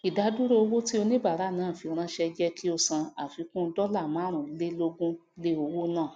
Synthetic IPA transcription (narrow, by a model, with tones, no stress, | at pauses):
i˨da˨˦du˦ɾo˦o˧wo˦ti˦o˧nĩ˦ba˦˨ɾa˨˦˨nãː˨˦˨fi˨˧˨ɾ̃ã˧ʃɛ˧d͡ʒɛ˦kʰi˦o˧sã˧a˨fi˨˧˦kũ˦˧˦dɔ˦la˦˨mã˨˦ɾ̃ũ˨˦le˦lo˦ɡũ˦le˦o˧wo˦nãː˦˨